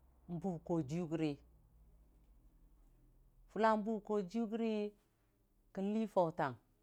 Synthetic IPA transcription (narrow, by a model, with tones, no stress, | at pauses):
m̩˦bu˨bko˨d͡ʒi˦u˦ɡɾe˨ | fu˦la˦m˦bu˦bko˨d͡ʒi˦u˦ɡɾe˦ | ki˦n˦li˦fo˨ta˨ŋ